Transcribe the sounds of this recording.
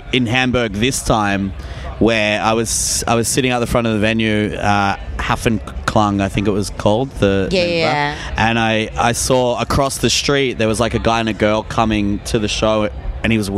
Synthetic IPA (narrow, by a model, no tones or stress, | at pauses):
ɨ̃nɦæ̃mbə˞ɡ̚ðɪstʰãɪ̃m | wə˞aɪwʌz̥a̰ɪwʌz̥sɪɾɪ̃ŋʌp̪̚ðəfɹʌ̃ɾ̃ʌvðɨvɛ̃njʉʌhæfɨ̃nkʰl̥ʌ̃ŋaɪθɪ̃ŋkɨt̚wʌz̥kʰɔlˠd̪̚ðɨ̃əʔɨ̃naɪa̰ɪsɔəkʰɹ̥ɔsðɨstɹ̥it̚ðə˞wʌzlaɪkɨɡaɪɨ̃nɨɡɜ˞lˠkʰʌmɪ̃ŋtʰɨðɨʃoʊɨ̃ñiwʌz